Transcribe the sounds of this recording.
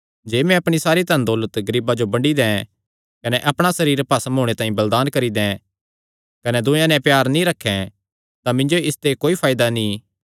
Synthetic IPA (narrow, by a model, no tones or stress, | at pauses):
d͡ʒeːmɛ̃ɐpɽ̃isaːɾit̪ɐnd̪ɔːlət̪ɡɐɾiːbad͡ʒobɐ̃ɳɖid̪ɛ̃ | kɐnɛʔɐpɽ̃asɐɾiːɾpɐsmɦoːɽ̃et̪ãːĩbɐld̪aːnkɐɾid̪ɛ̃ | kɐnɛd̪ʊ̃jãnɛ̃pjaːɾnĩɾɐkʰːɛ̃ | t̪amɪ̃nd͡ʒoɪst̪ekoːipʰaːjd̪anĩː